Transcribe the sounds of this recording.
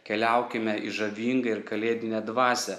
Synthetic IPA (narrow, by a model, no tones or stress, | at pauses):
kʲɛlʲɛˑʊkʲɪmʲɛʔiʒɐʋʲiːŋɡɐɪɾkɐlʲeːd̪ʲɪnʲɛd̪ʋɑːsʲɛ